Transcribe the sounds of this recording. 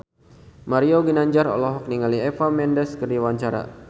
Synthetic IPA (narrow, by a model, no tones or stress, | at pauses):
maɾioɡinaɲd͡ʒaɾɔ̰lɔɦɔk̚niŋaliɛfamɛndəskərdiwaɲt͡ʃaɾa̰